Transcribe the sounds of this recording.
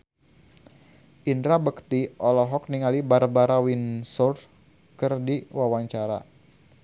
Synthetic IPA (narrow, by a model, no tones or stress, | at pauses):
ʔindɾabəkt̪iʔɔlɔɦɔk̚niŋalibarbaɾawinsɔr | kərdiwawaɲt͡ʃaɾa̰